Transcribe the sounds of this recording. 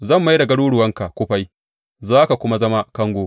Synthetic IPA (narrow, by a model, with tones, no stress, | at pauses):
zɐ˦˨mːa˦jdɐ˨ɡɐ˦ɽuː˦ɽʊ˨wɐ˦ŋka˨kʷʊ˦ɸa˦j | zaː˦ka˨kʷʊ˦ma˦zɐ˦ma˦kɐ˦ŋɡʷo˦